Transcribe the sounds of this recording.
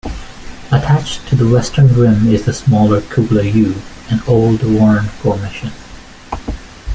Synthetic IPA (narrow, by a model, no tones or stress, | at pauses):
ətʰæt͡ʃtʰɨðəwɛstʰə̃˞nɡɹɪ̃mɪzðɨsmɔlˠə˞kʰukləjʉ | ɨ̃noʊlˠdwɔɹə̃ntfɔɹmɪʃɨ̃n